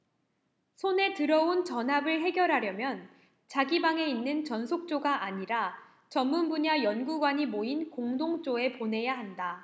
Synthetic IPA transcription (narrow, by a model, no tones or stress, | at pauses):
sʰone̞tɯɾʌunt͡ɕʌnɦabɯɭɦe̞ɡʲjʌɾɦaɾjʌmjʌn | t͡ɕaɡibaŋe̞inːɯnt͡ɕʌnsʰok̚t͡ɕ͈oɡaʔaɲiɾa | t͡ɕʌmːunbuɲajʌnɡuɡwaɲimoinkoŋdoŋt͡ɕ͈oe̞pone̞jaɦanda